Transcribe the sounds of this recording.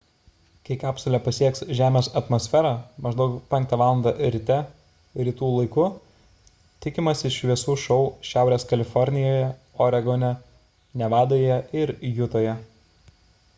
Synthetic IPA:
kɐɪkɑːpsolʲɛpɐsʲiɛksʒʲæːmʲeːsɐt̪mɔːsʲfʲæɾɑmɐʒd̪ɐʊkpʲɛŋkt̪ɐʋɑːlˠɐnd̪ɑɾʲɪt̪ʲɛ | ɾʲɪt̪uːlˠɐɪkʊ | t̪ʲɪkʲɪmɐsʲɪʃʲʋʲiɛsuːʃɔʊʃʲæˑʊɾʲeːskɐlʲɪfɔɾʲnʲɪjoːjɛ | ɔɾʲɛɡonʲɛ | nʲɛʋɑːd̪oːjɛɪɾjʊt̪oːjɛ

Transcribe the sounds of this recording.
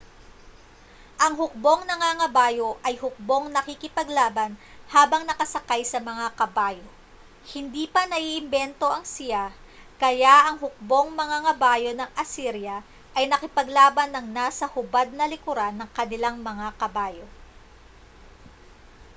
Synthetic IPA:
ʔɐŋɦʊk̚bo̞ŋnɐŋaŋɐbaːjo̞ʔɐjhʊk̚bo̞ŋnɐkɪkɪpɐɡlaːbɐnhaːbɐŋnɐkɐsɐkajsɐmɐŋakɐbaːjo | hɪnd̪iːpɐnɐʔiʔːɪmbɛnt̪o̞ʔɐŋsɪja | kɐjaʔɐŋɦʊk̚bo̞ŋmɐŋaŋɐbaːjo̞nɐŋʔɐsiɾjɐ | ʔɐjnɐkɪpɐɡlaːbɐnːɐŋnaːsɐhʊbad̪̚nɐlɪkʊɾanːɐŋkɐnɪlaŋmɐŋakɐbaːjo̞

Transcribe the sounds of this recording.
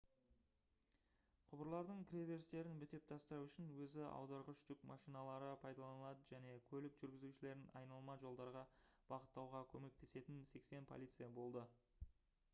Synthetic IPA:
qʰʊbəɾlˠɑɾd̪əɴkʲʰɾʲeve̞ɾst̪e̞ɾɪnbɪt̪e̞p̚t̪ʰɑst̪əɾɑwʏʃɪnwɵzɪɑ̰wd̪ɑɾʁəʃʒʏkmɑʃijnɑlˠɑɾəpʰɑjd̪ɑlˠɑnəlˠɑd̪əʒæne̞kʲʰɵlɪkʒ̥ʏɾɡʲɪzuʃɪle̞ɾɪnɑ̰jnɑlˠmɑʒo̞lˠd̪ɑɾʁɑb̥ɑqət̪ːɑwʁɑkʲʰɵme̞k̚t̪e̞se̞t̪ɪnse̞kse̞npʰolˠijt̪sɨjɑbo̞lˠd̪ə

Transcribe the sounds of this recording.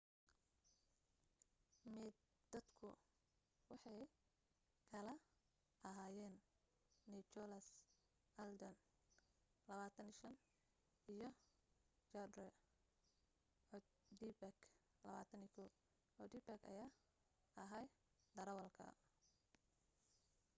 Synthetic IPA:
mɛd̪ | d̪̥ɐd̪kʰʊ̰ | wɑħɑj | kʰɐlɐ | ʔɐɦaːjɛːnː | it͡ʃɔlɐs | ʔɐld̪ɔn | lɐβaːt̪ʰɐniʃɐn | ijɞ | t͡ʃɐdrɛ | ʕɔd̪d̪ibɐk | lɐβa̰ːt̪ʰɐnikʰɔw | ʕɔd̪ibakʰɐ̰jaː | ɐɦaj | d̪ɐɾɐwɐlkʰɐ̰

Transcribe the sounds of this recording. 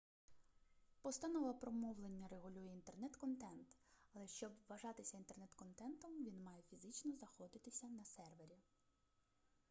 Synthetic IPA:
pɔst̪anɔʋlˠɐpɾɔmɔʋlˠenʲːɐreɣʊlʲujɛint̪ernɛt̪kɔnt̪ɛnt̪ɐlˠɛʃt͡ʃɔbʋɐʒɑt̪ɪsʲɐint̪e̞rnɛt̪kɔnt̪ɛnt̪ɔmʋʲinmɑjɛfʲizɪt͡ʃnɔzɐxɔd̪ɪt̪ɪsʲɐnɐsɛrʋe̞ɾʲi

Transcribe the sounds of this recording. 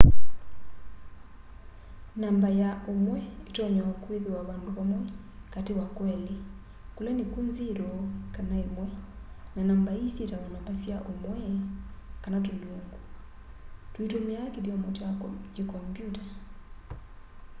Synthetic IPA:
nambajaomwɛetɔɲaokweðewaβandoβamwɛ | katewakwɛle | kolɛnekunzeɾɔkanaemwɛ | nanambaisjetawanambasjaʔomwɛ | kanat̬oloŋɡu | twitomeakediɔmotad͡ʒikɔmpjuta

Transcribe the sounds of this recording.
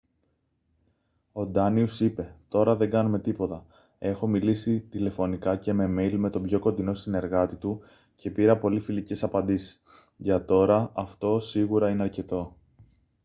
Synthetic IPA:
o̞d̪ɐniusipe̞t̪o̞ɾɐðe̞ɡɐnume̞t̪ipo̞t̪ɐ | e̞xo̞milisit̪ile̞fo̞nikɐce̞me̞me̞jlme̞t̪o̞bʝo̞ko̞nd̪ino̞sine̞ɾɣɐt̪it̪u | ce̞piɾɐpo̞lifilice̞sɐpɐnd̪isi̥s | ʝɐt̪o̞ɾɐɐft̪o̞siɣuɾɐineɐɾce̞t̪o̞

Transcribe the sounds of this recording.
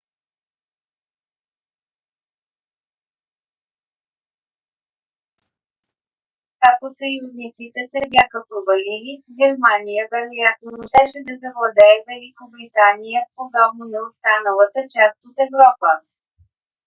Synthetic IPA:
kakosɐjuznit̪sit̪ɛsɛbʲjaxəpɾovɐliliɡʲɛɾmanijəvɛɾojat̪̚nood̪ɛʃɛd̪ɐzɐvlˠɐd̪ɛːvɛlikobɾit̪anijəpod̪ɔbmnonɛost̪anəlˠət̪ət͡ʃast̪ot̪ɛvɾɔpə

